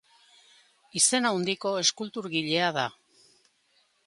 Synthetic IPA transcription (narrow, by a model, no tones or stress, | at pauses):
ise̞naund̪iko̞e̞skult̪uɾɣiʎe̞aða